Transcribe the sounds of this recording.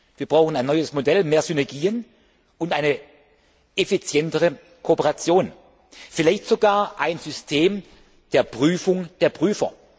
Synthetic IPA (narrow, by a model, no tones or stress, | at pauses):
viːɐb̥ʁaʊxn̩aɪnːɔʏəsmodɛlmeːɐzynɛɐɡiːən | ʊntʔaɪnə | ʔefit͡sjɛntəʁə | kʰoːpəʁat͡sjoːn | fɪlaɪçtz̥oɡaːɐʔaɪnz̥ʏstʰeːm | d̥eːɐpʁ̥yːfʊŋd̥eːɐpʁ̥yːfɐ̰